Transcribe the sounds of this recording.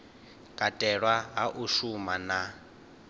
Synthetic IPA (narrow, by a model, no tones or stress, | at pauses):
kʼatʼɛɺwaɦaʔuʃumana